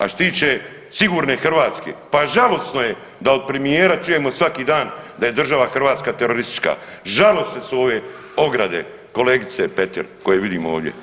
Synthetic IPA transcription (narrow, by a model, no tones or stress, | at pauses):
a̰ʃt̪iːt͡ʃe | siɡuːɾne̞xr̩ʋaːt̪skḛpaʒalo̞sno̞je̞ | d̪ao̞d̪̚pɾe̞mijeːɾat͡ʃuje̞mo̞sʋakiːd̪aːnd̪aje̞d̪r̩ʒaʋaxr̩ʋaːt̪skaːt̪eɾoɾist̪i̥t͡ʃka̰ | ʒalo̞sesuo̞ʋe̞ | o̞ɡɾad̪e̞̰ | ko̞leːɡit̪sepet̪ḭɾko̞jeʋid̪iːmoo̰ːʋd̪ʲje̞̰